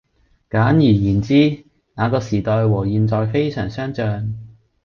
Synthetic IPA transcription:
kaː˨˥njyː˨˩jiː˨˩nt͡siː˥ | ŋaː˨˧kɔː˧siː˨˩t̪ɔː˨˧jwɔː˨˩jiː˨˧nt͡sɔː˨jfe˥jsœː˨˩ŋsœː˥ŋt͡ʃœː˧ŋ

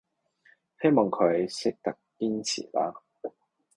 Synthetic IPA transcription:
he˥jmɔː˨˩ŋkʰɵ˨˧ɥsɪ˥k̚t̪ɐ˨k̚piː˥nt͡sʰḭː˨˩laː˥

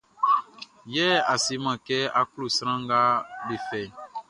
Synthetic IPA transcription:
jɛː˦a˨se˨˦mã˨kɛ˦a˦ku˦lo˨si˦ɾã˦ŋɡa˦be˨fɛ˨

